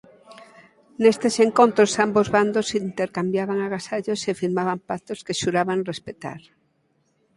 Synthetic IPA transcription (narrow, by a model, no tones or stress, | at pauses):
nest̪eseŋkont̪ɾosambozβand̪osint̪eɾkambjaβaŋaɣasaʎosefiɾmaβampat̪oskeʃuɾaβaŋrespet̪a̰ɾ